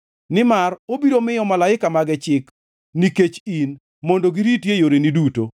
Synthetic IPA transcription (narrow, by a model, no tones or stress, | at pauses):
nɪmarobiɾomɪjɔmalaɪkamaɡɛt͡ʃɪk | niket͡ʃin | mondoɡiɾitjejoɾeniduto